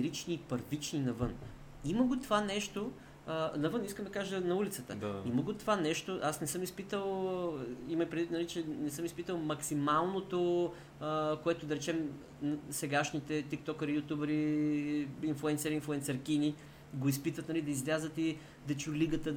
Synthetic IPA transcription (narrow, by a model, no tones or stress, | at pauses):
ɾit͡ʃniːpəɾvit͡ʃninɐvɤn | iməɡot̪ovanɛʃt̪o | nɐvɤniskəmd̪ɐkaʒənɐulit̪sət̪ə̰iməɡot̪ovanɛʃt̪oʔasnɛsɤmispit̪əlˠ | imɐjpɾɛd̪vit̪nɐlit͡ʃɛnɛsɤmispit̪əlˠmɐksimalˠnot̪o | əkoɛt̪od̪ɐɾɛt͡ʃɛm | sɛɡaʃnit̪ɛt̪ik̚t̪ɔkɐɾijut̪ʲubɛɾi | inflˠuɛnsɛɾinflˠʊɛnsɛɾkini | ɡoispit̪vət̪nɐlid̪ɐizlʲazət̪i | d̪ɐt͡ʃuliɡət̪ə